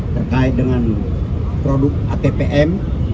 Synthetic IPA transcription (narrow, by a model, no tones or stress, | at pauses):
t̪ərkaidəŋan | pɾoduk̚at̪epeʔɛm